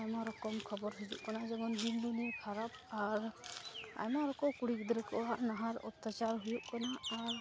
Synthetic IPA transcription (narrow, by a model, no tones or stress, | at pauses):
ajmaɾɔkɔmkʰɔbɔɾɦud͡ʒṵʔkanad͡ʒɛɡɔnd̪inlunɛkʰaɾap̚ | aɾ | a̰jmaɾɔkɔkuɽik̚d̪ɾɛkɔwaʔnaɦaɾɔ̰t̪ːat͡ʃaɾɦujuʔkanaːɾ